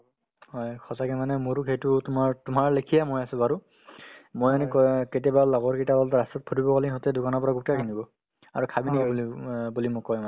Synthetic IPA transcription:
hɔjkʰɔsakɛmanɛmoɹukʰejtʊtʊmaɹtʊmaɹlekʰijamojasɛ̃baɹu | mojanikɔketijabalaɡɔɹkitabɔltɹastɔt̚pʰutibɔkaliɦɔtɛdʊkanɔpɔɹaɡutakʰinibɔ | aɹukʰabiniabulibulimʊkːɔjmanɛ

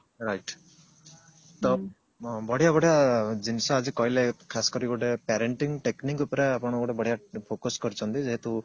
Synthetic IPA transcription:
ɾajʈ | t̪o | bɔɽ̤jabɔɽ̤ijad͡ʒinisɔad͡ʒikɔɦilekʰasɔ̥kɔɾiɡɔʈepɛɾeɳʈiŋʈeknikupɔɾeapɔɽ̃ɔɡɔɽebɔɽijapʰokɔskɔɾit͡ʃʰɔnt̪id͡ʒeɦet̪u

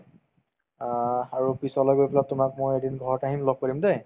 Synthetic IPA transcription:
aɹupisɔlɔjbojpʰlatʊmak̚mojedinɡʱɔɹɔtaɦinlɔɡ̚pɔɹimde

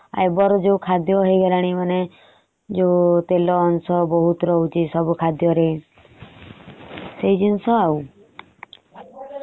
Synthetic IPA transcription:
a̰jbɔɾɔd͡ʒeukʰad̪jɔɦejɡalaɽ̃imane | d͡ʒot̪elɔːnsɔbɔɦut̪ɾɔɦut͡ʃʰisɔbukʰad̪jɔɾe | seid͡ʒinsɔau

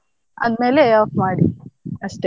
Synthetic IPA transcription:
ɐ̰d̪me̞ːleaːpmaːɽiɐʂʈe

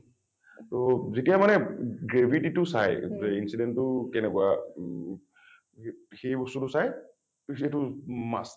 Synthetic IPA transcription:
tozetijamanɛɡɹebʱititʊsajzinsidɛntʊkɛnɛkʊa | xejbɔstutʊsaj | etʊma̰s

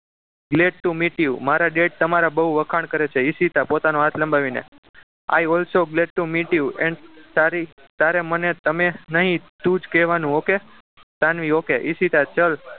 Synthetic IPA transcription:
ɡleɖ̚ʈumiʈiumaɾaɖeʈ̚t̪əmaɾabəuʋəkʰaɳkəɾet͡ʃʰeisit̪apot̪anoɦat̪ʰlə̃mbaʋinḛ | a̰jɔlsoɡleɖ̚ʈumiʈiuɛ̃ɳɖt̪aɾi | t̪aɾemənet̪əmenəɦĩt̪ũd͡ʒkɛʋanũoke | t̪anʋiokeʔisit̪at͡ʃəl

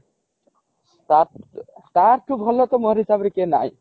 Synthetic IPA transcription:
asʈaɾʈʰːubʱɔlːɔt̪ɔmɔɾɦisabɾikena̰j

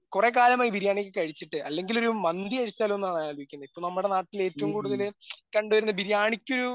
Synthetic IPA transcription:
kurekaːlɐmaːjibʱiɾjaːɳikʲːɨkɐɻit͡ɕːiʈːɨʔɐlːe̞ŋɡilo̞ɾumɐnd̪iɐɻit͡ɕːaːlɐmenːumaːɳaːloʋikʲːunːɐipːoɭnɐmːɐɽe̞naːʈːile̞ːtːɐʋumkuːɽuðɐlkɐɳɖuʋɐɾunːɐbʱiɾjaːɳikʲːo̞ɾu

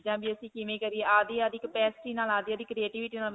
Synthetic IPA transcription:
d͡ʒãːbiːəsĩːkɪʋẽːkəɾiːeːaːd̪iːaːd̪ɪkpɛːsɪ̥ʈiːnaːlaːd̪iːaːd̪iːkɾieːʈiːʋɪːʈiːnaːl

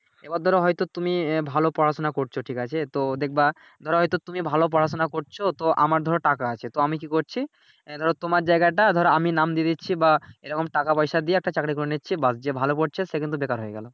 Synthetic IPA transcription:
ebad̪ʱɔɾoɦɔjt̪ot̪umibʱalopɔɾasonakoɾt͡ɕʰoʈʰikat͡ɕʰet̪od̪ek̚ʰba | d̪ʱɔɾoɦɔjt̪ot̪umibʱalop̬ɔɾasonakoɾt͡ɕʰot̪oʔa̰maɾd̪ʱɔɾoʈakaat͡ɕʰet̪oamikikoɾt͡ɕʰi | d̪ʱɔɾot̪omaɾd͡ʑajɡaʈ̬ad̪ʱɔɾoaminamd̪ied̪itːɕʰibaeɾɔkomʈakapɔjʃad̪ieɛk̚ʈat͡ɕakɾikoɾenitːɕʰibasd͡ʑebʱalopoɾt͡ɕʰeʃekint̪ubekaɾɦojeɡɛ̰lo

